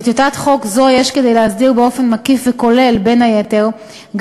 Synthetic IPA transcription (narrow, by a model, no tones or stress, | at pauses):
t̪jotat̪χo̞kzo̞jeʃked̪e̞jleɦazdiʁbeo̞fenmakifveko̞le̞lbe̞najete̞ʁ | ɡ